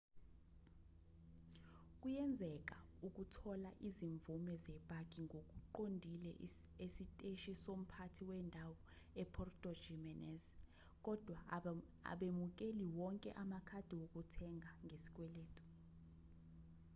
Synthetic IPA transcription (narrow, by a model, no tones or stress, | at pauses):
kʼujɛnd͡zʱɛk̬ʼauk̬ʼutʰɔlaʔiziɱvumɛzɛbʼʱakʼiŋɡʱok̬ʼuǃondʱilɛ̰esitʼeʃisom̩pʰatʰiwɛːndʱawɔ | ɛpʰɔrtʼɔ̥d͡ʒɛmɛnɛz | k̬ʼɔd̥ʱwa | a̰ɓemuk̬ʼeliwɔŋkʼɛ̰ʔamakʰad̥ʱiwok̬ʼutʰɛŋʱaŋɡʱesi̥k̬ʼwɛleːtʰʼɔ̥